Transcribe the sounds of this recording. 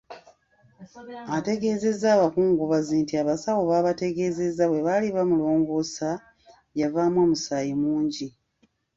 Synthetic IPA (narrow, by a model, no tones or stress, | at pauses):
ate̞ɡe̞ːze̞zːaːβakuːŋɡuβaziːntiaβasawoβaːβate̞ɡe̞ːze̞zːaβwe̞βaliβamulo̞ːŋɡosa | javaːmwoːmusaːjimuːɲɟi